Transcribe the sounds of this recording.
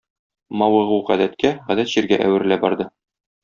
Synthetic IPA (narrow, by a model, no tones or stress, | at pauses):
mɒwɤ̆ʁuʁæd̪æt̪̚kæʁæd̪æt̪ʑ̥iɾɡæʔæ̰wɘ̆ɾlæbɒɾd̪ɤ